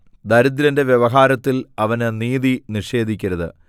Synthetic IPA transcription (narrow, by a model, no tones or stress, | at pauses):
d̪ɐɾud̪ɾɐnde̞ʋjeʋɐɦaːɾɐt̪ːilɐʋɐnɨniːðiniʂe̞ːd̪ʱikʲːɐɾɐðɨ̰